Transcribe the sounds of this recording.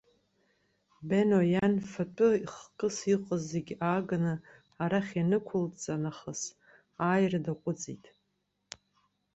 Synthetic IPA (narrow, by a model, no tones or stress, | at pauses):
benojanfatʼʊiχkʼɨsiqʼəzeɡʲaːɡanɨ | aɾaχʲanɨkʷʰʊlt͡sʼanaχəs | aːjradaqʷʼʊd͡zʼḭtʼ